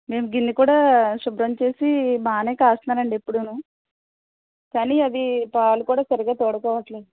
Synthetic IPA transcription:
me̞ːmuɡind̪ikuːɽaːʃubɾɐmt͡ʃe̞ːsimaːneːkaːst̪naːɾɐɳɖepːuɽunuː | kaːniːɐd̪ipaːlukuːɽaːsɐɾiɡaːt̪oːɽɐkɔːʋɐʈleːd̪u

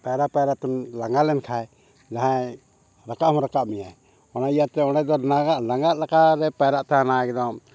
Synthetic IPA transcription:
paɾapajɾat̪ɛnlaŋɡalɛnkʰaj | d͡ʒaɦa | ɾakaʔhɔ̃ɾakaʔmijaɛ | ɔnaijat̪ɛɔɽ̃ɛd̪ɔnaɡaʔlaŋɡaʔlakaɾɛpajɾaʔt̪aanajɡɛd̪ɔm

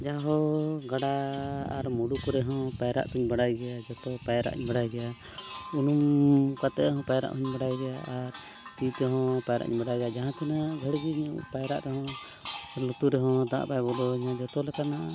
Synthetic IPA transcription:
d͡ʒaɦɔɡaɽaa̰ɾmuɽukɔɾɛɦɔ̃pajɾa̰ʔt̪uɲbaɽajɡɛjad͡ʒɔt̪ɔpajɾa̰ʔɲbaɽajɡɛja | unumkat̪ɛɦɔ̃pajɾa̰ʔhuɲbaɽajɡɛjaʔaɾ | t̪it̪ɛɦɔ̃pajɾa̰ʔɲbaɽajɡɛjad͡ʒaɦãt̪ʰinaɡʱəɽɡiɲṵpajɾaʔɾɛɦɔ̃ | lɔt̪uɾɛɦɔ̃d̪ã̰ʔbajbɔlɔɲãd͡ʒɔt̪ɔlɛkanaʔa

